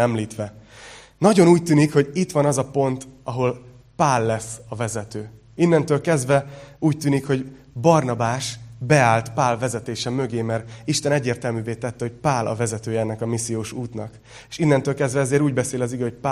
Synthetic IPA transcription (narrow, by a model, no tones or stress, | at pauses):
ɛmliːt̪ʋɛ | nɒɟo̞nuːc̚t̪yːnikho̞ɟit̪ʋɒnɒzɒpo̞nt̪ɒɦo̞l | paːlːɛsːɒvɛzɛt̪øː | inːɛnt̪øːlkɛzd̪vɛuːct̪yːnikho̞ɟ | bɒrnɒbaːʃbɛaːlt̪paːlvɛzɛt̪eːʃɛmø̞ɡeːmɛriʃt̪ɛnɛɟːeːrt̪ɛlmyːveːt̪ɛt̪ːɛho̞cpaːlʔɒ̰vɛzɛt̪øːjɛɛnːɛkɒmisːijoːʃuːt̪nɒk | eʃinːɛnt̪øːlkɛzd̪vɛɛzeːɾuːɟbɛseːlɒziɡɛhoc̚pa